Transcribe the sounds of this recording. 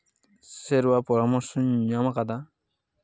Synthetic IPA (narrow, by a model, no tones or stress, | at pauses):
seɾwapɔɾɔmɔɾsɔɲɲamakad̪a